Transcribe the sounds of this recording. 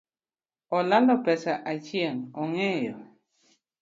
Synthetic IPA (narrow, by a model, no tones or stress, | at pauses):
ɔlalɔpɛsaʔat͡ʃieŋɔŋɛjɔ